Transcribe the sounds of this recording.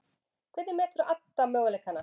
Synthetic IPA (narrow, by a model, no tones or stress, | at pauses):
kʰvɛːt̪ðɪmɛːt̪ɾʏʔat̪ːamœːɣalɛjkana